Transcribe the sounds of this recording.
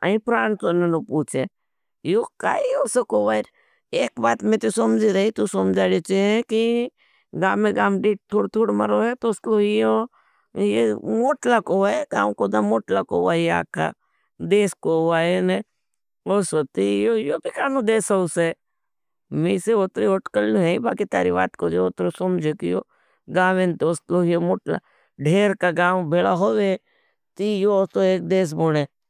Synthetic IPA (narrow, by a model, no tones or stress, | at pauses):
a̰ĩpɾaːnsonenopuːt͡ʃʰe | joka̰ːioːsokoːʋaːɾ | eːkbaːt̪mẽːt̪usomd͡ʒiɾɐɦit̪usomd͡ʒaːlot͡ʃeeki | ɡaːmẽɡaːmɖiːʈ̚t̪ʰoːɽt̪ʰuːɽmɐɾoːet̪oskoio | jemoːʈlakoːʋaeɡa̰ːmkoːd̪amoːʈlakoːʋaːia̰ːka̰ | d̪eːskoaːene | osot̪ijojoːbikaːnod̪eːsouse | miːseot̪ɾioʈkəlnũɦebaːkit̪a̰ːɾiʋa̰ːt̪kod͡ʒeot̪ɾosʊmd͡ʒekijo̰ː | ɡãːʋent̪oskloɦijomoːʈla̰ | ɖʱeːɾkaɡãːʋbʱelaɦoʋe | t̪ijot̪oeːk̚d̪eːs̬boːɽe